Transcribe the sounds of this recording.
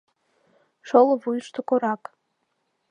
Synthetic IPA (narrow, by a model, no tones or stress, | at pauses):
ʃolˠəvujʃt̪okoɾɑk